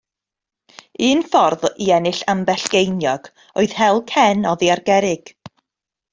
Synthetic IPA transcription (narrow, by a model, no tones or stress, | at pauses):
ɨːnfɔrðiɛnɨɬambɛɬɡ̥ejnjɔɡ̥ | oɨð̥hɛlˠkʰɛnɔðiarɡɛɾɪɡ̥